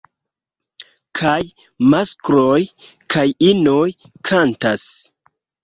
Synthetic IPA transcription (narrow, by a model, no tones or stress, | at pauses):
kʰaj | maskɾojkʰajinoj | kʰantas